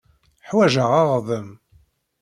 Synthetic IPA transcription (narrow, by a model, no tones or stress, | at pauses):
ħwæʒəʁɑʁðəm